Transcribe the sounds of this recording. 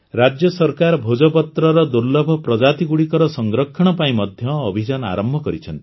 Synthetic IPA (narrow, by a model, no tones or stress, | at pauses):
ɾad͡ʒjɔsɔɾkaɾɔbʱod͡ʒɔpɔt̪ɾɔɾɔd̪uɾlɔbʱɔpɾɔd͡ʒat̪iɡuɽikɔɾɔsɔŋɡɾɔkʰːɔɽ̃ɔpaĩmɔd̪ʱjɔːbʱid͡ʒana̰ɾɔmbʱɔkɔɾit͡ʃʰɔnt̪i̥